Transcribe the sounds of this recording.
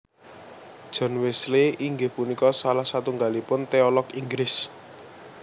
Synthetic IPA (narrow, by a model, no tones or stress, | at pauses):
d̥ʒ̥ɔ̤nwɪsleʔiŋɡehpunikɔsalahsat̪uŋɡalipʊnt̪eɔlɔkiŋɡlɪs